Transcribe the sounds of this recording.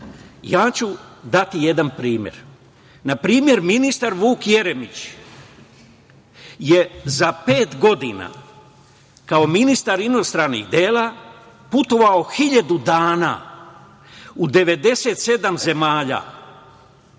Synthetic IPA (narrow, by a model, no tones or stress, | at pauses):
jaːt͡ɕud̪at̪ije̞d̪anpɾiːmjḛɾ | napɾiːmje̞ɾminist̪aɾʋuːkje̞ɾe̞mit͡ɕ | je̞zape̞ːt̪ɡo̞d̪ina̰ | kao̞minist̪aɾino̞st̪ɾanḭɣd̪eːla | put̪o̞ʋao̞xiʎad̪ud̪aːna̰ː | ud̪e̞ʋe̞d̪e̞se̞ːt̪se̞d̪amze̞maːʎa̰